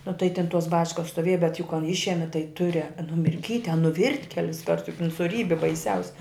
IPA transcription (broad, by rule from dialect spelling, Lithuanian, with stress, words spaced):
nʊ tɐɪ tʲɪn toːs ˈbɑːt͡ʃkɐs stoːˈʋʲeːj bʲɛt jʊk kɐn ˈɪʃʲɛmʲɪ tɐɪ ˈtʊrʲɛ nʊmʲɪrʲˈkʲiːtʲ ɐ nʊˈʋʲɪrʲtʲ ˈkʲæːlʲɪsˈkɐrt jʊk ɪn sʊˈrʲiːbʲɪ bɐɪˈsʲɛʊsʲɪ